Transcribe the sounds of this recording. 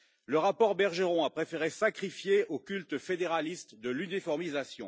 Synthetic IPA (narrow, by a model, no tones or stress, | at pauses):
ləʁapɔʁbɛʁʒeʁɔ̃apχefeʁesakχifjeokʲylt̪fed̪eʁalist̪d̪əlynifɔʁmizasjɔ̰̃